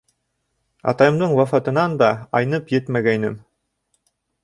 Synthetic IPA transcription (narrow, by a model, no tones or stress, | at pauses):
ɑ̰t̪ɑjɤ̆md̪ɤɴwɑfɑt̪ɤ̆nɑnd̪ɑɑjnɤpjet̪mæɡæjnɘm